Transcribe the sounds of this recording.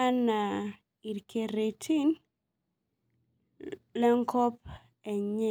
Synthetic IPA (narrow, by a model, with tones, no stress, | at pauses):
a˦na˨ | i˨ɾke˨ɾe˨tʰi˦n | lɛ˦ŋkʰɔ˦p̚ | ɛ˨ɲɛ˦˨